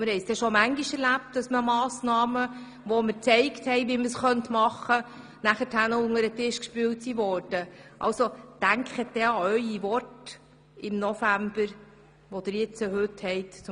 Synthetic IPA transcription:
mɪɾhɛɪsd̥̪ɛʃɔmæŋɡiʃɛɾlæp̚tdɑsməmɑːsnɑːmə | ʋɔməɾt͡sɛɪkthɛɪʋiməsχœntmɑχːə | næχətʰhænəʊŋəɾətɪʃkʃpyːwtsiʋɔːɾd̥əʔɑ̰lsod̥æŋkχət̚d̥̪ɛɑœʏiʋɔrt | ɪmnɔfæmb̥əɾ | ʋɔd̥̪ɪɾjɪt͡səɦɵthɛjtt͡s

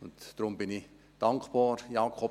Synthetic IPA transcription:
ʊntd̥ɾʊmbɪni | d̥ɑŋkb̥ɑːɾjɑːkʰχɔ

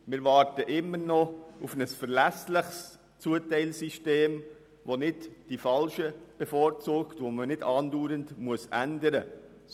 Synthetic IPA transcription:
mɪɾʋɑːɾtəʔɪmːəɾnɔufnəsfəɾlæslɪχs | t͡suətɛɪlsiʃteːm | ʋonɪtd̥ifɑlʃəb̥ɛfɔːɾt͡suːktvomənɪdɑːnduːɾəndmuəsʔændəɾə

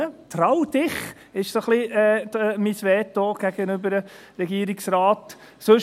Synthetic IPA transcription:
ət̪rɑwdɪχ | ɪʃsoχliɛːmisʋɛːtːoɡ̥æɡənʏbəɾə | ɾɛɡiəɾiksɾɑːt | sɵʃ

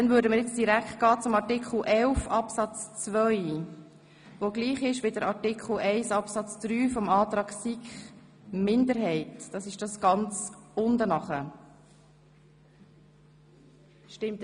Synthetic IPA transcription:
dɛnvʏːɾdəməɾjɛt͡sd̥iɾækχt̚ɡ̥ɑːt͡sʊmɑɾtikχl̩ʔɛlfɑpsɑt͡st͡svœʏ | ʋoɡliːχɪʃʋɪdəɾɑɹtikχl̩ʔɛɪsɑpsɑt͡sd̪̥ɾyːfɔmɑːt̪ɾɑːɡsikχ | mɪndəɾɦɛɪtd̥ɑsɪʃd̥ɑsɡ̥ɑnt͡sʊndənɑχə | ʃtɪmt

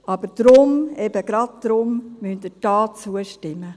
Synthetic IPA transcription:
ɑb̥əɾd̥ɾʊmɛb̥əɡ̥ɾɑd̚tɾʊmmynt̪ɪd̥ɑːt͡suəʃtɪmːə

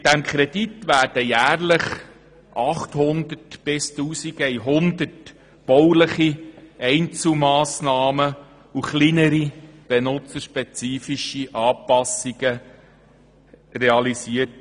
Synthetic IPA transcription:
d̥æmkʰɾɛd̥itʋæːɾd̥əjæːrləχ | ʔɑχt̪hʊnd̪ətb̥ɪstuːsiɡɛjɦʊnd̪ərt | b̥ɔwləχiɛɪnt͡sl̩mɑːsnɑːmə | uχlinəɾib̥enʊt͡səʃpɛt͡siːfiʃiʔɑːpɑsiɡə | reɑlisiːət̚

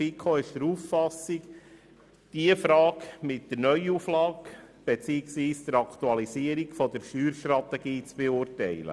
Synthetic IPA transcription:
fikʰoɪʃdəɾuːfːɑsik | d̪̥iəfɾɑːkmɪtːəɾnœʏuflɑːkb̥et͡siːɪksʋiːsd̪̥əɾɑkt̪uɑlisiəɾikfɔd̪əɾʃyːɾʃt̪rɑt̪ɛɡiːt͡sb̥eʊrtɛɪlə̰

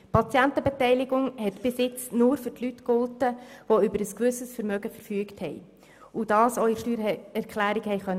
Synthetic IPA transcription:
pʰɑt͡sjæntəbɛtɛɪlɪɡʊŋhɛtb̥ɪsɪt͡snuːɾfʏrtlytkʊltəʋoʏbəɾəskʋʉsəsfəɾmœɡəfəɾfyəkthɛɪ | ud̥ɑːsɔʏəʃtyːɾɛɾkʰlæːɾɪkhɛɪχœnː

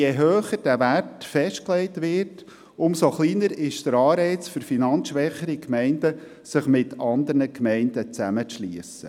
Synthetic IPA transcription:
jeɦøːχəd̥æʋærtfɛʃt̚klɛɪtʋɪt | ʊmsoχliːnəɾɪʃd̥əɾɑːɾɛɪt͡sfʏɾfinɑnt͡sʃʋɛχəɾikmɛɪndə | sɪχmɪtɑnd̪əɾnəkmɛɪndət͡sæmət͡sʃliəsə̰

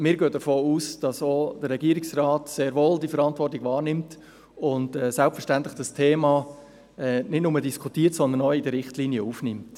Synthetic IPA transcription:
mɪːɾɡøːdəfoːuːsd̥ɑsod̥əɾːɛɡiəɾɪksrɑːtseːɾʋoːldifəɾɑntvʋɔrtɪɡ̥ʋɑːrnɪmt | ʊndɛːsælpfəɾʃtænt̪lɪχd̥ɑstʰeːmɑ | ɛnɪdnʊmədiskʰutiːəɾtsɔnd̪ənɔɪdəɾɪχtliːniəuːfnɪmt

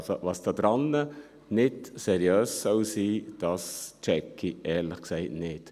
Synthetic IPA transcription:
so̰ʋɑsd̥ɑd̥ɾɑnːə | nɪtsɛɾjøːssɔwsiːd̥ɑst͡ʃɛkʰːiʔɛːɾləχksɛɪtnɪt

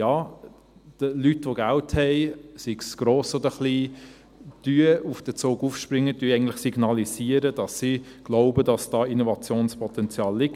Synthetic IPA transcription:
jɑː | d̥əlytʋoɡælthɛɪsiɡsɡ̥ɾoːsɔd̪əχliː | d̥yəufd̥ət͡soːɡufʃpɾɪŋːətyəɛɪɡn̩tlɪχsiɡ̥nɑlisiːəɾəd̥ɑsːiɡ̥lɔʊbədɑsd̥ɑːinɔvɑt͡sjoːnspʰɔt̪ɛnt͡sjɑːlːɪk

